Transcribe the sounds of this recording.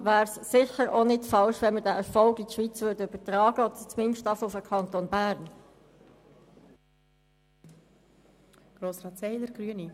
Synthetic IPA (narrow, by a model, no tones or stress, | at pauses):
ʋæːɾsːɪçəɾonɪtfɑlʃʋɛnməɾdæːʔɛfɔlɡitʃʋit͡sʋʏːɾdəyb̥ətɾɑːɡ̥əɔdət͡smɪnʃtɑfəufəkʰɑnt̪onbæːɾn | ɡ̥ɾoːsɾɑːt̪sɛɪd̪əɾɡ̥ɾyəni